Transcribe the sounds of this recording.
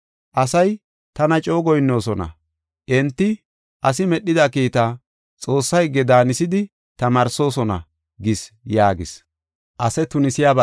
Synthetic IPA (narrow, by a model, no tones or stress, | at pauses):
ʔɐsɐj | t̪ɐnɐt͡ʃʼo̞ːɡɔjnːo̞ːsɔnɐ̰ | ʔɛnt̪ːɪ | ʔɐsɪmɛɗːɪd̪ɐkiːt̪aː | t͡sʼo̞ːsːɐjɡːɛd̪aːnɪsɪd̪ɪ | t̪ɐmaːɾso̞ːsɔnɐ̰ | ɡɪs | jaːɡɪs | ʔɐsɛt̪ʊnɪsɪjaːbɐ